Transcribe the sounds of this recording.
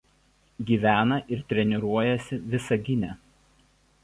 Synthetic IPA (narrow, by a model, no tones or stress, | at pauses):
ɡʲiːʋʲæːnɐʔɪɾt̪ʲɾʲɛnʲɪɾuɔjɛsʲɪʋʲɪsɐɡʲɪnʲɛ